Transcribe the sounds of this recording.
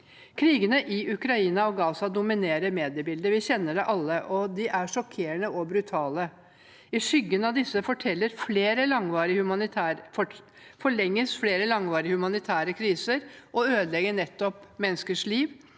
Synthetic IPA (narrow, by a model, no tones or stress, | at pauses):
kʰɾiːɡənəʔɪʉkɾɑiːnɑɔɡɑːsɑd̪ʊmɪneːɾəɾmeːd̪ɪəbɪld̪əʋɪçɛnːəɖɛʔɑlːəʔɔd̪ɪʔæʂɔkʰːeːɳəʔɔbɾʉt̪ʰɑːlə | ɪʂʏɡːənɑʋd̪ɪsːəfɔʈʰɛlːəɾfleːɾəlɑŋʋɑːɾɪhʉmɑnɪt̪ʰæːɔ | fɔɭɛŋːəsfleːɾəlɑŋʋɑːɾɪhʉmɑnɪt̪ʰæːɾəkʰɾiːsəɾʔɔøːd̪lɛɡəɳɛt̪ːɔpmɛnːəskəʂɭiːʋ